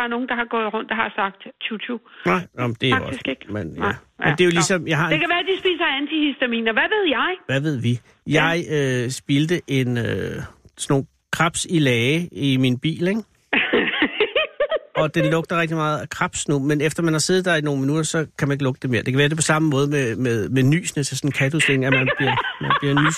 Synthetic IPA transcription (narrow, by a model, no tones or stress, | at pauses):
ɑɐno̝ːŋ̩d̥ɑ̈hɑ̈ɡ̥ɔːð̩ˠʁɔ̽n̰d̥ɑɦɑ̈sɑ̈ɡ̥̚d̥t͡sʰut͡sʰunɑ̈ɪ̰n̩d̥e̝ɑɡɒ̥iseɡ̥menjæmed̥e̝jolisɒ̽mjɑ̈ɪhɑ̈ekʰæʋæːɐd̥isb̥iːsɐænt͡sʰihysd̥æmḭːnɐʋæʋe̝ð̞ˠjɑ̈ɪʋæʋe̝ð̞̰ˠʋi | jɑ̈ɪøsb̥ild̥əʔe̝nøsno̝ːn | kʰʁɑ̈b̥silɛːɪiminb̥ḭːleŋ | ɒ̽d̥enlɔ̽ɡ̥̚d̥ɐʁɛɡ̥̚d̥imɑ̈ːð̞̩ˠækʰʁɑb̥snumenefd̥ɐmænhɑ̈se̝ːð̩ˠd̥ɑɐino̝ːn̩minud̥ɐsɒ̽kʰæmæne̝ɡ̥lɔ̽ɡ̥əd̥eme̝ːɐd̥ekʰæʋæːɐde̝pʰɒ̽sɑ̈məmɔ̽ːð̞ˠmemeðˠmeny̰ːsnət͡sʰe̝sɒ̽n̩kʰædʰuseŋ̩æmænb̥liɐmænb̥liɐny̰